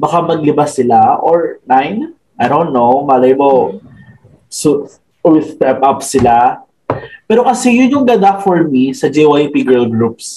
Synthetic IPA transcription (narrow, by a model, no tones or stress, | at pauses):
bɐkamɐɡ̚lɪbasːɪlaʔoɹnajn | ʔajd̪õnt̪ːowbaːlɐjmo | su | wɪðpɛpʔɐpsɪla | pɛːɾokɐsɛjʊnjʊŋɡ̪ɐd̪afɔɹmisɐd͡ʒɛwapiɡɛlɡɹup̚s